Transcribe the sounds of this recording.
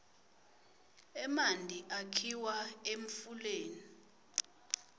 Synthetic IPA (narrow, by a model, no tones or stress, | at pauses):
ɛmandʱiʔakʰiwaeɱ̩fuleːni